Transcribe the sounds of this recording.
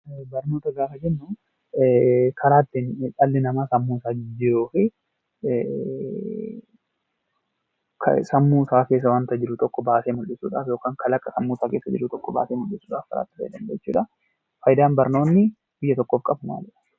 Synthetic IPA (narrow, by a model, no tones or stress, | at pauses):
bɐɾnoːt̪ɐɡaːfɐd͡ʒɛnːʊ | kʰɐɾaːt̪ːɪnᶑʼɐlːɪnɐmaːsɐmːuːsaːd͡ʒɪɾoːfɪ | kʰsɐmːuːsaːke̞ːs̬ːɐwant̪ɐd͡ʒɪɾʊt̪ɔkːɔbaːseːmʊlɪsuːᶑa̰ːfjo̞ːkaːŋkɐlɐkʼːɐsɐmːuːsaːke̞ːsːɐd͡ʒɪɾʊt̪ɔkːɔba̰ːseːmʊlːɪsuːᶑaːfkɐɾʔa̰ːt̪ːɪfɐ̰jd̪ɐnd̪ɐt͡ʃːṵːᶑɐ | fɐjd̪aːnbɐɾno̞ːnːɪ | bɪjːɐt̪ɔkʼːoːfkʼɐbɐna̰ːd͡ʒɛᶑɐ̥